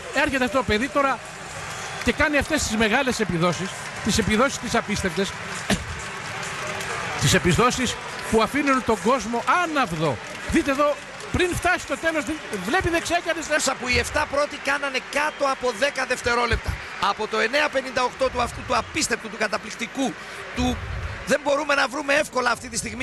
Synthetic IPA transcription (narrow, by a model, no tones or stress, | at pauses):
e̞ɾçet̪eft̪ot̪ope̞ðit̪o̞ɾɐ | cekɐniɐft̪e̞st̪izme̞ɣɐle̞se̞piðo̞sis | t̪ise̞piðo̞si̥st̪isɐpist̪e̞pt̪e̞s | t̪ise̞pizðo̞sis | puɐfinunt̪o̞ŋɡo̞zmo̞ʔɐnɐvðo̞ | ðit̪̬eðo̞ | pɾinft̪ɐsi̥st̪ot̪e̞lo̞zevle̞piðeksekɐnesesɐpuie̞ft̪ɐpɾo̞t̪ikɐnɐne̞kɐt̪o̞ɐpo̞ðe̞kɐðe̞ft̪e̞ɾo̞le̞p̚t̪ɐ | ɐpo̞t̪o̞e̞ne̞ɐpe̞nind̪ɐo̞kt̪o̞t̪uɐft̪ut̪uɐpist̪e̞p̚t̪ut̪ukɐt̪ɐplikt̪iku | t̪uðe̞mbo̞ɾume̞nɐvɾume̞efko̞lɐːft̪it̪ist̪iɣmi